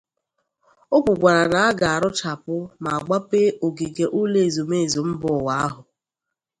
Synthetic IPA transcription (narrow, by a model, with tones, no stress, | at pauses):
o˦kʷʊ˨ɡʷa˨ɾa˨na˨a˦ɡa˨a˨ɾʊ˦t͡ʃa˨pʊ˦ma˨a˨ɡ͡ba˦pe˦o˨ɡi˨ɡe˨ʔu˦le˦e˨zo˨me˦e˨zo˨m̩˦bʊ˨wa˨˦a˦ɦʊ˨